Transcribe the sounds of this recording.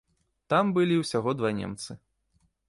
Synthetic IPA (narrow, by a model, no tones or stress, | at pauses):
t̪ambɨlʲiwsʲaɣɔd̪vanʲɛ̰mt̪sɨ